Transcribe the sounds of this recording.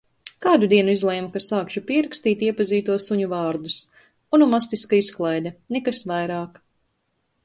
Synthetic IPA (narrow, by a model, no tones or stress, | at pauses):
kaːd̪ud̪iɛnuizlˠɛjmukasaːkʃupiɛɾakst̪iːt̪iɛpaziːt̪uɔsuɲuvaːɾd̪us | unumast̪iskaisklˠajd̪ɐnɛkasvajɾaːk